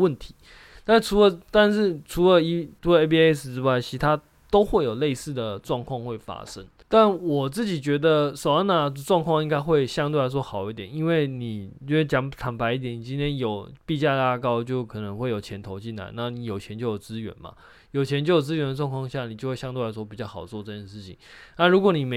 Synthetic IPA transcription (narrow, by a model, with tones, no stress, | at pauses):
wə˥˨nt̪ʰi̥˨˦ | t̪a˥˩ʂʈ͡ʂʰu˧˥lə˨˦t̪a˥˧nʂɻ̩˥˩ʈ͡ʂʰu˧˥lə˨i˧˥t͡sʰu˧˥lə˧e˥pi˥e˥s̩˨˩ʈ͡ʂɻ̩˥wa˥˩ɪt͡ɕʰi˧ʂt̪ʰa˥ | t̪o˥ʊxwe˥˩ɪjo˨˩ʊle˥˧ɪsɹ̩˥˩d̪ə˩ʈ͡ʂwɑ˥˧ŋkʰwɑ˥˧ŋxwe˥˩ɪfa̰˥ʂə˦ŋ | t̪a˥˩nwɔ˨˩t͡sɹ̩˥˩t͡ɕi˨˩t͡ɕɥɛ˧˥d̪ə˧ʂo˨˩ʊa˥na˨˩˧ʈ͡ʂwɑ˥˧ŋkʰwɑ˥˧ŋi˥ŋka˥ɪxwe˥˧ɪɕjɑ˥ŋt̪we˥˩ɪla˧˥ɪt͡swɔ˥˩xɑ˨˩ʊi˥˩t̪jɛ˨˩ni˦˥nwe˥˩ɪni˨˩o˥˧˥t͡ɕjɑ˧˥ŋt̪ʰa˧˨˥ŋpa˧ɪi˥˩t̪jɛ˨˦ni˨˩t͡ɕi˦˥nt̪ʰjɛ˦˥njo˨˩ʊpi˥˧t͡ɕja˥˧la˥kɑ˥ʊt͡ɕjo˥˩ʊkʰɤ˨˩nə˧˦ŋxwe˥˩ɪjo˨˩ʊt͡ɕʰjɛ˧˥nt̪ʰo˧˥ʊt͡ɕi˥˩nla̰˧˦ɪna˥˩ni˨˦jo˨˩ʊt͡ɕʰjɛ˧˥nt͡ɕjo˥˩ʊjo˨˩ʊt͡sɹ̩˥ɥɛ̰˧˥nmɐ̰˨ | jo˨˩ʊt͡ɕʰjɛ˧˥nt͡ɕjo˥˩ʊjo˨˩t͡sɹ̩˥ɥɛ˧˥nd̪ə˧ʈ͡ʂwɑ˥˧ŋkʰŋɕni˨˩t͡ɕjo˥˧xwe˥˧˩jɑ˥ŋt̪we˥˧la˧ɪswɔ˥pi˨˩t͡ɕjɑ˥˩ʊxɑ˨˩ʊt͡swɔ˥˧ʈ͡ʂɤ˥˧˩t͡ɕjɛ˥˩˧nʂɻ̩˥˩t͡ɕʰḭ˨˩ŋna˥˩ɻu˧˥kwɔ˧˦ni˨˩me˧˦